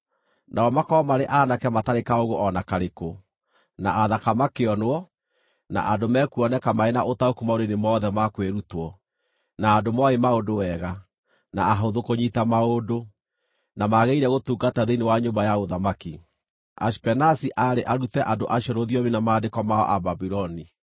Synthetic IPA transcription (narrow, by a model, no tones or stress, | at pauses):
naɔmakɔɔmaɾeʔaːnakɛmataɾekaoɣoʔɔnakaɾeko | naʔaðakamakeɔnoɔ | na̰ʔandomɛkuɔnɛkamaenaʔotaokumaoɾenemɔðɛmakweɾutwɔ | naːndomɔemaodowɛɣa | na̰ːɦoðokoɲitamaodo | namaɣeiɾɛɣotuːɡataðeinewaɲombajaɣoðamaki | a̰spɛnasiʔaɾeʔaɾutɛʔandoʔaʃɔɾoðiɔminamaːdekɔmaɔ̰ʔababiɾɔni